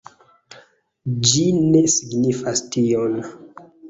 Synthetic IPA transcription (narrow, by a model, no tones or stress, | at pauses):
d͡ʒine̞siɡnifastion